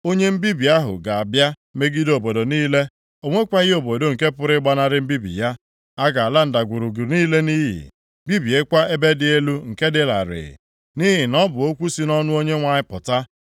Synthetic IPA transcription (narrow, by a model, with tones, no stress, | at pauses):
o˦ɲe˦m̩˦bi˦bi˨a˦ɦʊ̰˨ɡa˨a˨bja˦ | me˦ɡi˦do˨bo˨do˨niː˦le˦ | o˨ŋʷe˦kʷa˦ɣo˨bo˨do˨ŋ̩˨ke˦pʊ˨ɾɪ˦ɡ͡ba˦na˦ɾɪ˦m̩˦bi˦bḭ˨ja˦ | a˦ɡa˨a˨la˦n̩˨da˨ɡʷu˨ɾu˨ɡu˨ɾniː˦le˦niː˦ɦḭ˨˦ | bi˦bi˨e˦kʷa˦e˦be˦dɪ˨e˦lu˦ŋ̩˨ke˦dɪ˦la̰˨ɾɪ̰˨ | ni˦ɦi˨nɔ˦bʊ˨o˦kʷu˦si˦nɔ˦nʊ˦o˦ɲe˦ŋʷa˨ɲɪ˦pʊ˨ta˦